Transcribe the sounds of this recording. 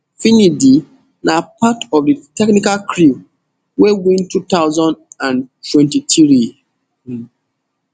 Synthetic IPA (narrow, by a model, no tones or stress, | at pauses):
finidi | napatɔvditɛknikalkʰɹi | wewĩntut̪aʊzɔ̃ndãntʰwɛ̃ntitɹi